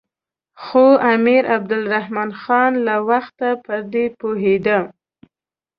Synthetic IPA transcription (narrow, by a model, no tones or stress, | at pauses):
xoamiɾʔab̚d̪ʊlɾahmɑnxɑnlawaxt̪apəɾd̪epoɦed̪ə